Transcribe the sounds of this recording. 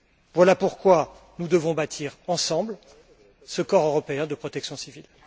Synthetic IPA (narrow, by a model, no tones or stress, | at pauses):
vwalapuʁkwa | nud̪əvɔ̃bat̪ʰiʁɑ̃sɑ̃bl | səkɔʁøʁɔpeɛ̃d̪əpχɔt̪ɛksjɔ̃sivil